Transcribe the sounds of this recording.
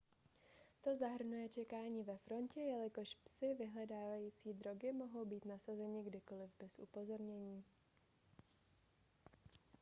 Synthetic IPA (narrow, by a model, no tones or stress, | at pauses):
t̪o̞zaɦr̩nujɛt͡ʃɛkaːɲiːvɛfɾo̞ncɛjɛlɪko̞ʃpsɪvɪɦlɛdaːvajiːt͡siːd̪ɾo̞ɡɪmo̞ɦo̞wbiːt̪nasazɛɲɪɡdɪko̞lɪvbɛsʔṵpo̞zo̞ɾɲɛɲiː